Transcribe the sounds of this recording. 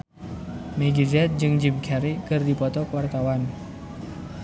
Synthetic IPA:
mɛɡizɛt̪̚d͡ʒɨŋd͡ʒimkʰɛɾikɨrdipɔt̪ɔkəwart̪awan

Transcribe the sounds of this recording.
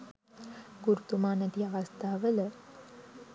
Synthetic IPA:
ɡuɾt̪umɑnəd̪jɑʁɑst̪ɑvɛlə

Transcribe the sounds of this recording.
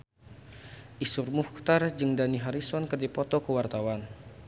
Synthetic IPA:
ʔisurmuht̪ard͡ʒɨŋdaniɦaɾisɔnkɨrdipɔt̪ɔkəwart̪awan

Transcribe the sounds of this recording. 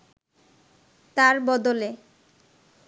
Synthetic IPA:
t̪aɾbɔd̪ole

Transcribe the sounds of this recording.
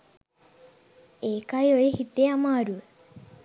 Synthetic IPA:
eːkajoihit̪eamaːɾu

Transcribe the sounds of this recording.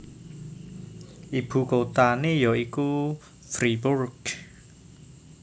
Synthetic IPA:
ʔib̥ṳkot̪anejɔiku | fɾiburɡ̥

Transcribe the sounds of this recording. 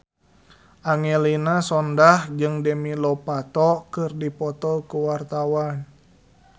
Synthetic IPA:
ʔaŋɛlinasɔndahd͡ʒɨŋdɛmilɔpat̪ɔkɨrdipɔt̪ɔkuwart̪awan

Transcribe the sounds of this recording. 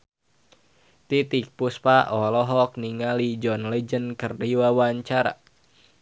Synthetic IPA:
t̪it̪ik̚puspaʔɔlɔɦɔk̚niŋalid͡ʒɔnlɛd͡ʒənkərdiwawaɲt͡ʃaɾa̰

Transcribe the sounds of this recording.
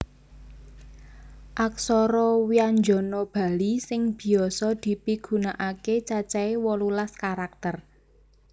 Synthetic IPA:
ʔaksɔɾɔwiaɲd͡ʒɔnob̥a̤lisɪŋb̥i̤ɔsɔd̪̥i̤piɡ̥ṳnaʔaket͡ʃat͡ʃaewɔlulaskaɾak̚t̪ər

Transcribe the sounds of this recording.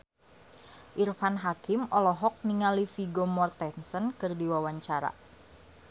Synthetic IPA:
ʔirfanɦakɪmɔlɔɦɔk̚niŋalifiɡomɔrt̪ɛnsənkɨrdiwawaɲt͡ʃaɾa̰

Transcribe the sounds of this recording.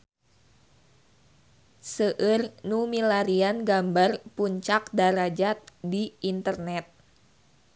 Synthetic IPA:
səʔɨrnumilaɾianɡambarpuɲt͡ʃak̚daɾad͡ʒat̪̚diʔint̪ərnɛt̪̚

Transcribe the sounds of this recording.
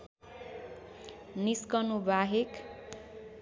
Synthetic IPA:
niskʌnubaɦek

